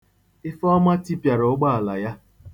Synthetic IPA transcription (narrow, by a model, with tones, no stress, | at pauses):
ɪ˦fɔ˦ɔ˦ma˦ti˦pja˨ɾʊ˨ʊ˦ɡ͡ba˦a˨la̰˨ja˦